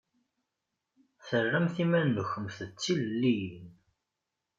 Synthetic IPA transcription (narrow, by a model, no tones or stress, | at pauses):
θərːæmθimænːəçəmθət͡sːillːin